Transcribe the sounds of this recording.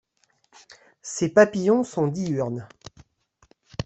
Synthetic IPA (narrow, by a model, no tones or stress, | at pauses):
sepapijɔ̃sɔ̃d̪iyʁn